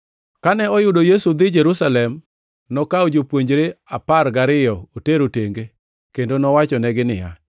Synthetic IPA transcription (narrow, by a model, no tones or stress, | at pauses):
kanɛɔjʊdojesud̪ɪd͡ʒeɾusalɛm | nɔkaod͡ʒopwoɲd͡ʒɾeaparɡaɾɪjɔoteɾoteŋɡe | kendonɔwat͡ʃɔnɛɡɪnɪja̰